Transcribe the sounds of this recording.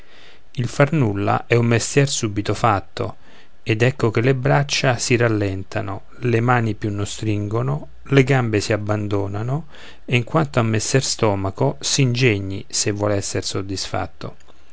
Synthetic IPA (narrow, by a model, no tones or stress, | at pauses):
ilfarnulːa̰ʔɛumːest̪jɛrsuːbit̪ofat̪ːo | ɛd̪ɛkːok̟elebɾat͡ʃːasiralːɛnt̪ʰano | lemaːnipjunːost̪ɾiŋɡono | leɡambesiabːand̪oːnano | eiŋkwant̪aumːest̪jɛrst̪ɔːmakosind͡ʒeɲːḭsevːwɔlɛsːersod̪ːisfa̰t̪ːo̰